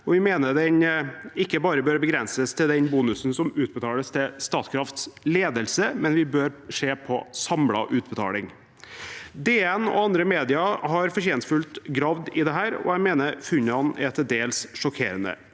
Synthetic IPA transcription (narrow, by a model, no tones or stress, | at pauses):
ɔʋɪmeːnəɖ̪ɛnɪkːəbɑːɾəbøːɾbəɡɾɛnsəst̪ʰɪld̪ɛnbuːnʉsnsɔmʉːt̪̚bət̪ʰɑːləst̪ʰɪlst̪ɑːt̪kʰɾɑft̪sleːd̪əlsəmɛnʋɪbøːɾʂeːpʰɔsɑmlɑ̰ʔʉːt̪̚bət̪ʰɑ̰ːlɪŋ | d̪eːɛnɔ̰ɑnd̪ɾəmeːd̪ɪɑhɑɾfɔɾʰeːnt̪fʉlt̪ɡɾɑʋd̪ɪd̪ɛɦæːɾɔ̰æmeːnəɾfʉnːəɑnɛɛt̪ʰəd̪eːlsʂɔkʰeːɾənə̰